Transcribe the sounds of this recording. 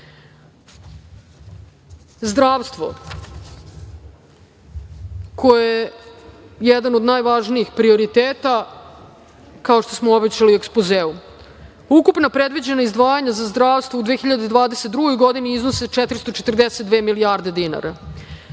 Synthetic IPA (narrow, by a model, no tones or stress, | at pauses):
zd̪ɾaːʋst̪ʋo̞̰ | kʰo̞oje | jɛd̪anod̪naːjʋaʒniixpɾio̞ɾit̪eːt̪a | kaoʃt̪o̞smoobet͡ɕaliuekspozeːu | ukupnapɾed̪vʋid͡ʑe̞naizd̪ʋaːjaɲazazd̪ɾaːʋst̪voud̪ʋexiʎad̪ed̪vʋaːd̪eset̪̚d̪ɾuɡo̞jɡo̞d̪iniiznose̞t͡ʃet̪ɾist̪o̞t͡ʃet̪r̩d̪eset̪̚d̪ʋeːmiliaːɾd̪e̞d̪ina̰ɾa